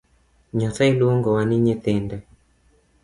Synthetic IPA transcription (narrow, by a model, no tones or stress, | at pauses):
ɲɔθailuoŋɡɔwaniɲet̪ɪndɛ